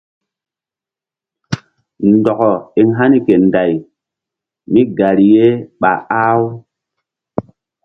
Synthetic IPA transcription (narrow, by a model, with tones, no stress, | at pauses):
ndɔ˨kɔ˨i˨ŋɦa˦ni˨ke˨nda˨j | mi˦ɡa˨ɾi˨je˦ɓa̰˨a˦w